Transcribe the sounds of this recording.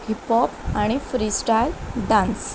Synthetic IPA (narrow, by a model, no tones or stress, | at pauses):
hipɔpaɽ̃ifɾisʈajlɖãns